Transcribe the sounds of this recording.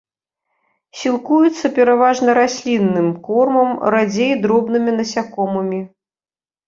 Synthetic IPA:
sʲilˠkujut̪sːɐpʲɛɾavaʐnɐɾasʲlʲinːɨmkɔrmɐmɾad͡zʲejd̪ɾɔbnɨmʲinɐsʲakɔmɨmʲi

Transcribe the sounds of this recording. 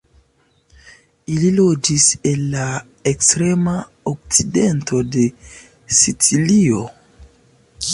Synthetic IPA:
ililo̞d͡ʒise̞lːa | ekstɾe̞ma | ok̚t͡side̞nto̞de̞ | sit͡silio̞

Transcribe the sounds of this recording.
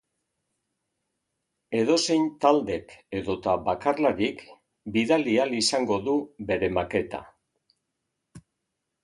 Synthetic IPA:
e̞ðo̞se̞jnt̪ald̪e̞ke̞ðo̞t̪aβakarlaɾik | biðalialisaŋɡo̞ðuβe̞ɾe̞make̞t̪a̰

